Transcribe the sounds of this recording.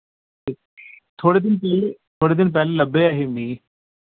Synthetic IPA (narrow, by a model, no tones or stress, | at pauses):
i | t̪ʰoːɽed̪ɪnpɛlet̪ʰoːɽed̪ɪnp̬ɛːlelɐbeaːɦemiː